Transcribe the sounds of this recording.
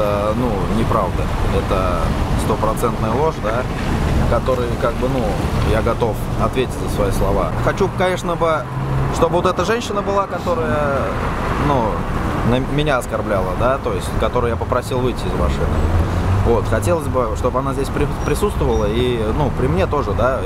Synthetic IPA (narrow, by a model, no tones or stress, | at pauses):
ənunʲɪpɾavd̪əɛt̪əst̪o̞pɾɐt̪sɛnt̪nəjəlˠo̞ʂd̪a | kɐt̪o̞ɾɨjkaɡ̚bɨnujaɡɐt̪o̞f | ɐt̪vʲetʲɪtʲzəsvɐislˠɐva̰xɐt͡ɕukɐnʲe̞ʂnəbɨ | ʂt̪o̞bɨvot̪ɛt̪əʐɛnʲɕɪnəbɨlˠakɐt̪o̞ɾəjə | nunəmʲɪnʲaɐskɐrblʲalˠəd̪at̪o̞jɪsʲtʲkɐt̪o̞ɾɨjapəpɾɐsʲilˠvɨjtʲːɪɪzma̰ʂɨ̰nɨ̰vo̞t̪xɐtʲe̞lˠəzʲbɨʂt̪o̞bɨɐnazʲdʲesʲpɾʲɪpɾʲɪsut̪st̪vəvəlˠəinupɾʲɪmnʲe̞t̪o̞ʐɨd̪a